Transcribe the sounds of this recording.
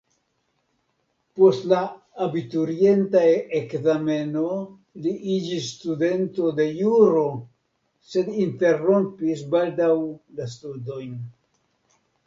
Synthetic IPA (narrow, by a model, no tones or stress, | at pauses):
po̞stlaː | bitoɾie̞ntaekzame̞no̞ | liʔid͡ʒisːtude̞nto̞de̞juɾo̞ | se̞dinte̞ro̞mpisbaldawlas̬tudo̞jn